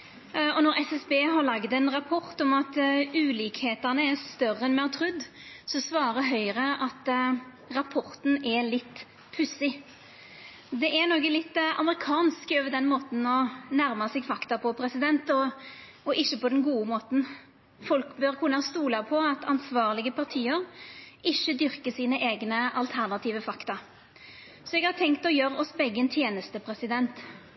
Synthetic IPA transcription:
ɔnɔʁɛsɛsbeːɦɑɭɑɡd̪ɛnʁɑpʰɔʁt̪ɔmɑt̪ʉːliːkheːt̪ænəɛɾst̪œrːəɛnmɛɑt̪ʰɾʉd̪ː | sɔsʋɑːɾəɦœʏɾəʔɑt̪ | ʁɑpʰɔʁt̪n̩ɛlɪt̪ː | pʰʉsɪ | d̪ɛʔɛnɔɡəlɪt̪ːɑ̰məɾɪkʰɑːnskɔːʋəd̪ɛnmoːt̪n̩ɔnæɾmɑsɛɡfɑkt̪ɑpʰɔpʰɾɛsɪd̪ɛnt̪ɔ | ɔʔɪçːəpɔd̪ɛnɡuːəmoːt̪n̩ | fɔlkbøʁkʰʉnːɑst̪uːlɑpʰɔɑt̪ʰɑnsʋɑːʁlɪɡəpʰɑʁt̪ʰiːəɾʔɪçːəd̪ʏɾkəsiːnəʔeːɡnəɑlt̪ʰæʁnɑt̪ʰiːʋəfɑkt̪ɑ | sɔɛɡhɑːʁt̪ʰɛŋkt̪ɔjøːɾəɔsbɛɡːəɛnt̪ʰjeːnəst̪əpʰɾɛsɪd̪ɛnt̪

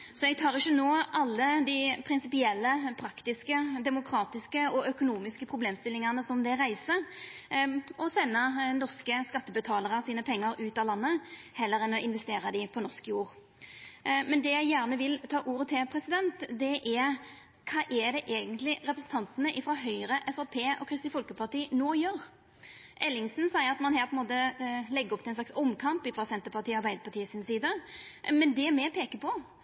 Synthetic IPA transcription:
sɔɛɡ̚t̪ʰɑːʁɪçːənoːʔɑlːəd̪ɪɪpʰɾɪnsɪpɪɛlːəpʰɾɑkt̪ɪskəd̪ɛmʊkʰɾɑːt̪ɪskəɔœkʊnuːmɪskəpʰɾʊbleːmst̪ɪlːɪŋɑnəsɔmd̪ɛɾæɪsə | ɔsɛnːənɔʁskəskɑt̪ːəbət̪ʰɑːləʁəsiːnəpʰɛŋːəɾʉːt̪ɑlɑnːə | hɛlːəɾɛnɔʔɪnʋɛst̪eːɾɑd̪ɪpʰɔnɔskəjuːʁ | mɛnd̪ɛjæɪjæːʁnəʋɪlt̪ʰɑːʔuːɾət̪ʰɪlpʰɾɛsɪd̪ɛnt̪d̪ɛʔæɾ | kʰɑːʔɛd̪ɛʔeːɡənt̪lɪʁɛpɾəsn̩t̪ɑnt̪ənəʔɪfɾɑːɦœʏɾəʔɛfɛpʰeːʔɔ̰kʰɾɪst̪ɪfɔlkəpʰɑʁt̪iːnoːjøːʁ | ʔɛlːɪŋsn̩sɑɪəɑt̪mɑnhæːɾpʰɔɛnmoːt̪əlɛɡːəɔpt̪ɪlɛnslɑksɔmːkʰɑmpɪfɾɑːsɛnt̪əpɑʁt̪iːɑɾbæɪd̪əpɑʁt̪ʰiːəsɪnsiːd̪əmɛnd̪ɛmɛpʰeːkəpʰɔ

